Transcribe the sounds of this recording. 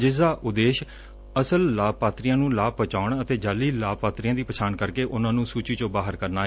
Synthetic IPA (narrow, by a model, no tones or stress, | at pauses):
d͡ʒɪsd̪aːʔʊd̪eːʃ | əsəlːaːpaːt̪ɾijãːnũːlaːpət͡ʃaːɳət̪eːd͡ʒaːlːiːlaːpaːt̪ɾijãːd̪iːpət͡ʃʰaːnkəɾkeːʔʊnãːnũːsuːt͡ʃiːt͡ʃõːbaːɦəɾkəɾnaː